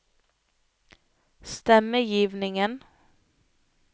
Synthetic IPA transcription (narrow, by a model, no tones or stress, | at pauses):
st̪ɛməjiːʋnɪŋən